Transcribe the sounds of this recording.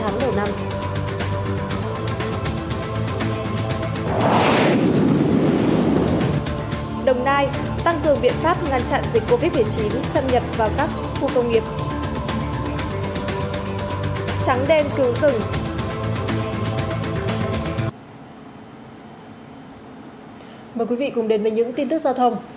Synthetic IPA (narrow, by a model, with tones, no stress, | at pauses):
aː˨˦ŋmo˨˧˩na˧m | ɗə˨˩wŋ͡mnaː˧j | t̪a˧ŋkɨ˨˩əŋɓḭ˧˨ənfaː˦˥p̚ŋaː˨˩nt͡ɕa̰ː˧˨nzi˨˩k̟̚ko˧vi˦˥t̚ɓɨ˨˩jt͡ɕi˨˦nsa˧nɲə˨˩p̚vaː˨˩wkaː˦˥k̚xu˧kə˧wŋ͡mŋi˨˩əp̚ | t͡ɕa˨˦ŋɗe˧nkɨ˨˦wzɨ˨˩ŋ | məː˨˩kwi˨˦vḭ˧˨kʊ˨˩ŋ͡mɗe˨˦nve˨˩ɲɨ̰˧˥ŋt̪i˧nt̪ɨ˦˥k̚za˧wt̪ʰə˧wŋ͡m